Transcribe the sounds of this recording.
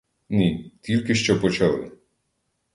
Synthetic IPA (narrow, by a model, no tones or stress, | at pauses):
nit̪ʲilʲkɪʃt͡ʃɔpɔt͡ʃɐlˠɪ̰